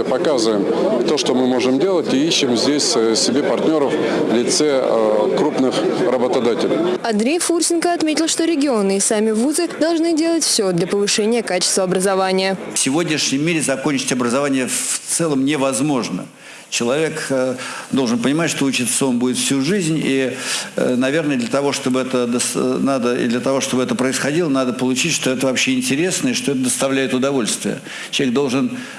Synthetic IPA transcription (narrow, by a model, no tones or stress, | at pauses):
pɐkazɨvəjɪm | t̪oʂt̪omɨmo̞ʐɨmdʲe̞lˠətʲiiɕːɪmzʲdʲesʲsʲɪbʲepɐrtʲnʲo̞ɾəfvlʲɪt̪sɛkɾupnɨxrəbət̪ɐd̪atʲɪlʲɪɐnd̪ɾʲejfursʲɪnkəɐt̪mʲetʲɪlˠʂt̪o̞ɾʲɪɡʲɪo̞nɨɪsamʲɪvuzɨd̪ɐlˠʐnɨdʲe̞lˠətʲfsʲo̞d̪lʲɐpəvɨʂɛnʲɪjəkat͡ɕɪ̥st̪vəɐbɾəzɐvanʲɪjəfsʲɪvo̞dʲnʲɪʂnʲɪmʲːiɾʲɪzɐko̞nʲt͡ɕɪ̥tʲɐbɾəzɐvanʲɪjət̪sɛlˠəmnʲɪvɐzmo̞ʐnə̰ | t͡ɕɪlˠɐvʲe̞k | d̪o̞lˠʐɨnpənʲɪmatʲʂt̪oʊt͡ɕit̪ssombudʲɪt̪fsʲuʐɨzʲnʲi | nɐvʲe̞rnəjəd̪lʲət̪ɐvo̞ʂt̪o̞bɨɛt̪əd̪əsnad̪əɪ̰d̪lʲət̪ɐvo̞ʂt̪o̞bəɛt̪əpɾəɪsxɐdʲilˠənad̪əpəlˠʊt͡ɕitʲʂt̪o̞ɛt̪əvɐpɕːeɪnʲtʲɪɾʲe̞snəɪʂt̪o̞ɛt̪əd̪əst̪ɐvlʲæjɪt̪ʊd̪ɐvo̞lʲst̪vʲɪ̰jə̰ | t͡ɕʲɪlˠʲeɡ̚d̪o̞lˠʐɨn